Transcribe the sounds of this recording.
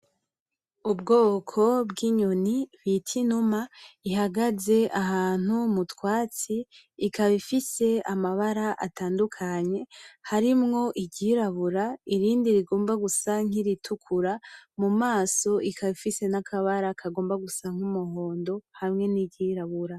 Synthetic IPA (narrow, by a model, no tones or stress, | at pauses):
ubɡo̞ːkʰo̞bɡiɲoniβitʰinumaiɦaɡaze̞ʔahaːn̥umutwaːt͡siː | kaβifise̞amaβaɾaʔa̰taːndukʰaɲe̞haɾimŋo̞ʔiɟiɾaβuɾaiɾiːndiɾiɡo̞ːmbaɡusaŋ̥iɾitʰukʰuɾamumaːso̞ʔikʰaβifise̞nakʰaβaɾakʰaɡo̞ːmbaɡusaŋ̥humuho̞ːndo̞hamŋe̞niɟiɾaβuɾa